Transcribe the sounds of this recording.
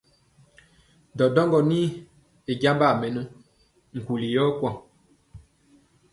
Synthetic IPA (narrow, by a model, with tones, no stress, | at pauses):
dɔ˨dɔ˦ŋɡɔ˨ni˦ | e˨ɟa˦mba˦˨mɛ˨nə˦ | ŋ̩˨ku˨li˨jɔ˦kwɔ˦˨ŋ